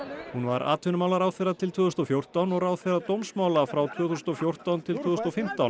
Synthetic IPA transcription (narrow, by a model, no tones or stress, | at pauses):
hunva̰ɾʔa̰ːt̪ʰʏnʏmawlaɾaːwfeɾat̪ʰɪlt̪ʰʏːθʏsnt̪ɔfjowr̥t̪awnɔɣɾaːwðfɛɾat̪owmsmaːwlafɾawt̪ʰvʏːθusnɔfjowr̥t̪awnt̪ʰɪlt̪ʰʏːðst̪ɔfɪm̥t̪awn